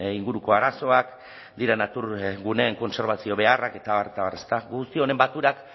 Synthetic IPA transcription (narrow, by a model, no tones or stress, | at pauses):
iŋɡuɾuko̞aɾaso̞ak | d̪iɾanat̪uɾɡune̞ːŋko̞nse̞ɾβasio̞βe̞arake̞t̪aβaɾt̪aβare̞st̪aɡust̪io̞ne̞mbat̪uɾak